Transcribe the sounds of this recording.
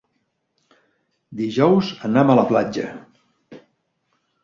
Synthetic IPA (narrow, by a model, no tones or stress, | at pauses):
d̪iʒɔwzənamələplad͡ʒə̰